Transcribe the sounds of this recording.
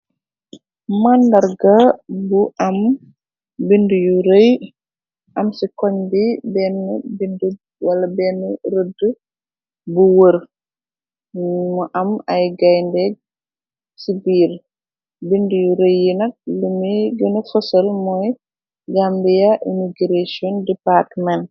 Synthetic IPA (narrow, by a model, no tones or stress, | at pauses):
mandɐɾɡɐbuʔɐm | bindujuɾəj | ʔɐmsikɔɲbibɛnəbindu | wɐlɐbɛːnəɾədə | buwəɾ | mɔʔɐmɐjɡajndɛɡ̚ | sibiːɾ | bindujuɾəjːinɐk̚lumiɡənəfɐsɐlmɔːj | d͡ʒambijɐʔimiɡɾasiɔndɛpartmɛn